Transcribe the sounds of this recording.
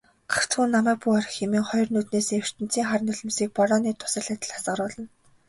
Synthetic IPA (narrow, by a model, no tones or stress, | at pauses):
ɢaw̥t͡sɡuːnːamæːk̚puːaɾə̆xemĭːŋχɔjɞ̆rnuːt̪neːsew̥r̥t̪ɘ̆n̥t͡siːŋχaɾ̆ʲnʊɮɞ̆msiːk̚pɔɾɔːniːt̪ʰʊ̥sə̆rɮæ̆ːt̪̆ɮḁsɢə̆ɾʊːɮɞ̆n